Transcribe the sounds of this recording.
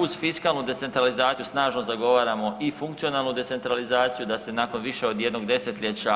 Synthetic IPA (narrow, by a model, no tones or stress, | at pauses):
uzfiskalˠnud̪e̞t̪se̞nt̪ɾalizaːt̪ijusnaːʒnozaɡo̞ʋaːɾamo̞ʔifuŋkt̪sio̞naːlˠnud̪e̞t̪se̞nt̪ɾalizaːt̪sijud̪ase̞naːko̞nʋiʃe̞o̞d̪jed̪no̞ɡd̪e̞set̪ʎʲet͡ɕa